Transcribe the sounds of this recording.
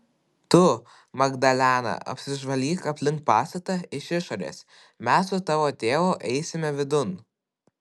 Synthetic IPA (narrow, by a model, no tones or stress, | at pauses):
t̪ʊ | mɐɡd̪ɐlʲæːnɐ̰ʔɐ̰pʲsʲɪʒʋɐlʲiːkɐpʲlʲɪŋkt̚pɑːst̪ɐt̪ɐɪʃɪʃoːɾʲḛːs | mʲæsːʊt̪ɑːʋoːt̪ʲeːʋoʔɛɪsʲɪmʲɛʋʲɪd̪ʊn